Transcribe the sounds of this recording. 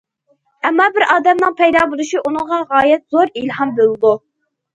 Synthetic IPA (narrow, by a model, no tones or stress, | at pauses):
ɛmːɑbɪɾʔɑːd̪ɛmnɨŋpʰɛjd̪ɑːbolˠuʃiʔunɨŋʁɑʁɑːjɛt̪̚z̥oɾilhɑmbølˠɨd̪u